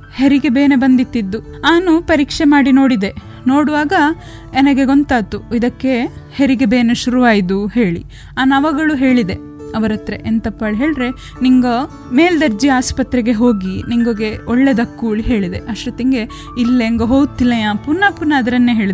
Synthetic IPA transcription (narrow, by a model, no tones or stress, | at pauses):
heɾiɡebeːne̞bɐnd̪it̪ːid̪ːu | aːnupɐɾiːkʂemaːɽino̞ːɽid̪e̞ | no̞ːɽuʋaːɡɐ | enɐɡe̞ɡo̞nt̪aːt̪uid̪ɐkːe̞ | heɾiɡebeːneʃuɾuʋaːjid̪uhe̞ːɭḭ | aːnɐʋɐɡɐɭuɦe̞ːɭid̪e̞ | ɐʋɐɾɐt̪ɾe̞̰ʔent̪ɐpːaːɭɦe̞ːɭɾe̞ | niŋɡo | me̞ːld̪ɐɾd͡ʒiaːspɐt̪ɾɛɡe̞ɦo̞ːɡiniŋɡoɡe̞oɭːed̪ɐkːuːɭiɦe̞ːɭid̪e̞̰ʔɐʃɾɐt̪iŋɡe̞ | ilːeːŋɡoɦoːɡut̪ːilɐjaːpunːapunːɐːd̪ɾɐnːeɦeːɭid̪